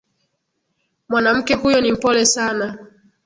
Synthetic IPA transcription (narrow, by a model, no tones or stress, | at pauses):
mwanam̩kɛhujɔnim̩pɔlɛsana